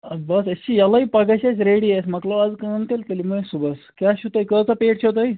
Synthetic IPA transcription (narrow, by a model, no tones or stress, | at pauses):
bəsəst͡ɕijalaɦiːpaɡajt͡ɕat͡sɾeɽiesməkload͡zkəənt̪elt̪əliməẽsubəskjaɕut̪aɦikət͡sapeʈɕot̪̬ai